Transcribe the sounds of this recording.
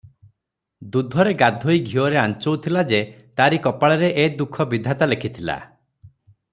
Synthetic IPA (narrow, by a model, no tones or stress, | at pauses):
d̪ud̪ʱɔɾeɡad̪ʱoiɡʱiɔɾeant͡ʃowt̪ʰilad͡ʒe | t̪aɾikɔpaɭɔɾeʔed̪ukʰɔbid̪ʱat̪alekʰit̪ʰila̰